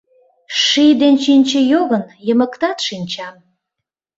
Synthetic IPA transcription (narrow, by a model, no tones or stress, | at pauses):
ʃijd̪enʃinʲt͡ɕəjoɣənjəməkt̪ɑt̪ʃinʲt͡ɕɑm